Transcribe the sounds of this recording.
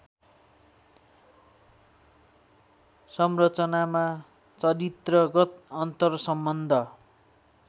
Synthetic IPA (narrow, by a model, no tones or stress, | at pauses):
sʌmrʌt͡sʌnama | t͡sʌɾit̪rʌɡʌt̪ʌnt̪ʌrsʌmbʌnd̪ʱʌ